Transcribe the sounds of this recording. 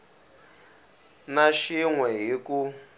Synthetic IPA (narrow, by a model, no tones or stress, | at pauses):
naʃiŋwɛɦiku